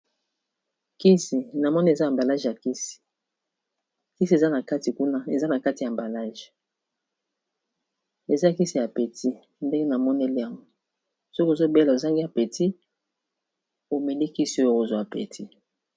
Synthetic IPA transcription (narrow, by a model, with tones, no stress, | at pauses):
ki˦si˨na˨mɔ˦ni˦e˨za˦a˨mba˨la˦ʒja˨ki˦si̥˨ | ki˦si˨e˨za˦na˨ka˦ti˨ku˦na˦e˨za˦na˨ka˦ti˨ja˨mba˨la˦ʒ | e˨za˦˨ki˦si˨ja˨pe˨tʰi˦ | nde˦ŋɡe˦na˨mɔ˦ne˦li˦a˨ŋɡo˦ | so˦ki˦o˨zo˦be˦la˨o˨za˦ŋɡi˦a˨pe˨ti˦ | o˨mɛ˨li˦ki˦si˨o˦jko˨zwa˨pe˨tʰi˦